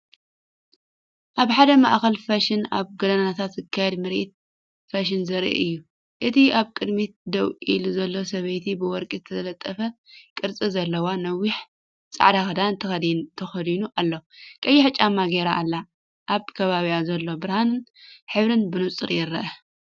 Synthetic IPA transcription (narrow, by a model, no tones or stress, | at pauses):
ʔaβħad̪ɐmaʔxɐlfaʃɪnaβɡɐd̪ɐnaat̪ʰat̪zɨkʰːajɛd̪mɨɾʔḭt̪̚ | faʃ̬ɪnzɐɾḭʔɨjːu | ʔɨt̪ʰiaβkʼɨd̪mit̪̚d̪ɐwʔiluzɐlːo̞sɐβɐjt̪ʰibɨwɔɾkʼizɨt̪ʰɐɐlɐt̪ʼːɐfɐkʼɨɾt͡sʼizɐlːɐwanɐwiħ | t͡sʼa̰ʕd̪axɐd̪ant̪ʰɐxɐd̪nt̪ʰɐxɐd̪inuʔalːokʼɐjːɪħt͡ʃʼamːaɡeɾaʔːlːa | ʔːβkʰɐβaβiazɐlːo̞bɨɾhanɨnħɨβɾɨnbɨnɨt͡sʼɨɾjɪɾɐ̰ʔɐ